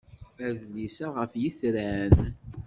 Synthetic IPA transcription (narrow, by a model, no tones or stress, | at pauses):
æðlisæʁəfjiθɾæn